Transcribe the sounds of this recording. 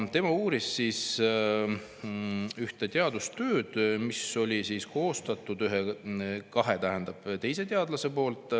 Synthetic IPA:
t̪e̞mɑuːɾisːiːs | yht̪e̞t̪eɑd̪̥ust̪ø̞ːd̪̥miso̞lʲisiːsko̞ːst̪ɑt̪ːˑud̪yɦekɑɦe̞t̪æɦe̞nd̪̥ɑb̥t̪e̞jse̞t̪eɑd̪lɑse̞po̞ːlt̪ˑ

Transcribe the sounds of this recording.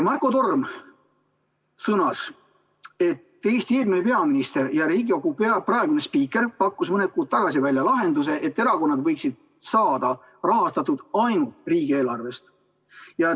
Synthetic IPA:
mɑrko̞t̪o̞rm | sɤnɑs | e̞t̪ːe̞ːst̪ieːlminepe̞ɑminist̪e̞ɾjɑɾiːɡio̞ɡupeɑprɑe̞ɡ̥une̞spiːkːˑe̞rpɑkːusmɤned̪̚kuːd̪̥̚t̪ɑɡ̥ɑsivælʲjɑlɑɦe̞nd̪use̞ʔe̞t̪ːe̞ɾɑko̞nːɑd̪vɤjksid̪̥̚ | sɑːd̪̥ɑ | rɑɦɑst̪ɑt̪ːud̪̥ɑjnult̪riːɡ̥ie̞ːlɑrve̞st̪ | jɑ

